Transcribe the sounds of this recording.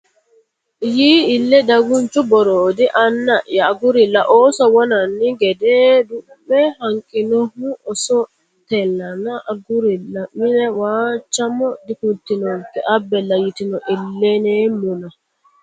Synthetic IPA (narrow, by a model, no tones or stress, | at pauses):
jiːilːɛdaɡunt͡ʃubɔɾodiʔanːajaːɡuɾilaʔɔsɔwɔnanːiɡɛdɛdu | bɛhaŋkʼinɔhuʔɔsɔ | tɛlːanaʔɡuɾilamːinɛwat͡ʃamɔdikuntːinɔŋkɛʔabːɛlajitinɔʔilːɛnɛmuna